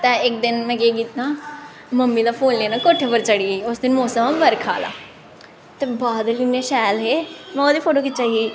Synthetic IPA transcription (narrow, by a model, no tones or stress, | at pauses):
t̪ɛ̃ːɪk̚d̪ɪnmɛ̃ɡeːɡiːt̪naː | məmːid̪aːpʰoːnleːnakoːʈʰeːbəɾt͡ʃəɽiːeʊsd̪ɪnmoːsəmabəɾkʰa̰ːla̰ː | t̪ebaːd̪əlineʃɛːlɦeːmɛ̃od̪iːpʰoːʈoːkɪt͡ʃaːɦiː